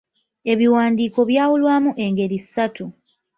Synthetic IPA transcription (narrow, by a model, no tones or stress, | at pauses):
e̞βiwaːndiːko̞βjaːwulwaːmuʔe̞ŋɡe̞ɾiisːatu